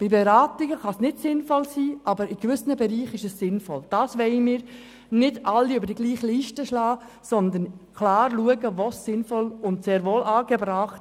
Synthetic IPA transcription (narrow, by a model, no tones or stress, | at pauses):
b̥ibɛɾɑːtɪɡəχɑsnɪtsɪnfɔlsiːʔɑbəɾɪɡʋʏsnəbɛɾiːχɪʃɛsːɪnfɔld̥ɑːsʋɛɪmɪːɾ | nɪdʔɑlːiøbəɾdiɡliːχliːʃtəʃlɑː | sɔnd̪ənkʰlɑːɾluəɡəʋosːɪnfɔlʊntseːɾʋoːlʔɑːɡ̥ɛbɾɑːχt